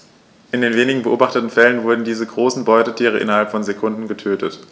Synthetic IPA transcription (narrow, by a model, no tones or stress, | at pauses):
ʔɪndeːnveːnɪɡŋ̩bəʔoːbaχtətn̩fɛlənvʊɐdn̩diːzəɡʁoːsn̩bɔʏtətʰiːʁ̞əʔɪ̰nɐhalpfɔnzekʰʊndn̩ɡətʰøːtət